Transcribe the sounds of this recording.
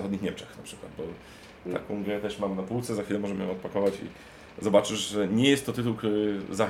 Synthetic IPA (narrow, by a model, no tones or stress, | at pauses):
xɔd̪ɲixɲɛmt͡ʂɛ̥xnapʂɘ̥kwad̪̚bɔ | t̪a̰kɔ̃w̃ɡɾɛt̪ɛʂmamnapuwt̪sɛzaxfʲilɛmɔʐɛmjɔ̰̃ɔt̪̚pakɔvat͡ɕḭ | zɔbat͡ʂɘʐʐɛɲɛjɛst̪ːɔt̪ɘt̪uwkt̪uɾɘza